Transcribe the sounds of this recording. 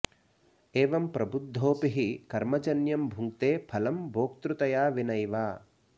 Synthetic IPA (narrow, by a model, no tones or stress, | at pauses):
eːʋɐmpɾɐbud̪ʱːoːpiɦikɐɾmɐd͡ʒɐnjɐmbʱuŋkt̪eːpʰɐlɐmbʱoːk̚t̪ɾut̪ɐjaːʋinɐjʋaː